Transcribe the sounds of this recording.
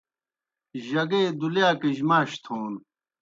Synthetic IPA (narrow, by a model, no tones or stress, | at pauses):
ʑɐɡeːd̪uljaːkiʑmaːɕt̪ʰoːn